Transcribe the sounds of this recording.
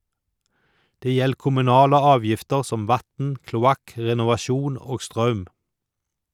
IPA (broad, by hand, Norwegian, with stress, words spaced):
ˈdeː ˈjɛl kʊmʉˈnɑːlə ˈɑːʋjɪftəɾ ˈsɔm ˈʋɑtn̩ klʊˈɑk ˌɾɛnʊʋɑˈʃuːn ˈoːɡ ˈstɾɑʉm